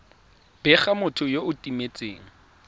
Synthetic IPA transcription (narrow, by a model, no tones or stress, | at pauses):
b̥ɛχamʊtʰʊjoʊtʼimet͡sʼeːŋ̩